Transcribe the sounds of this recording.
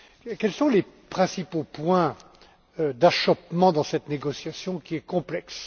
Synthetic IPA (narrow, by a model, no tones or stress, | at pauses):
kʲɛlsɔ̃lepχɛ̃sipopwɛ̃ | d̪aʃɔp̚mɑ̃d̪ɑ̃sɛt̪neɡɔsjasjɔ̃kʲiɛkɔ̃plɛks